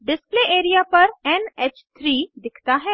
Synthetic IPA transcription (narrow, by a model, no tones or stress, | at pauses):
ɖɪspleːʔeːɾijapɐɾɛnɛːt͡ʃt̪ʰɾiːd̪ɪkʰt̪aɦɛː